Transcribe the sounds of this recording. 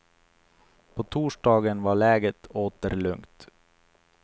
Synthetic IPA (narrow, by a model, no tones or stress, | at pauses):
pʰoːt̪ʰuːʂɖɑːɡənʋɑːɭɛːɡət̪ʰoːt̪əɾlɵŋt̪